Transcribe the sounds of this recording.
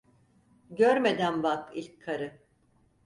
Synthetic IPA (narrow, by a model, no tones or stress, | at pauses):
ɟøɾme̞d̪ænbakilʲcʰːaɾɯ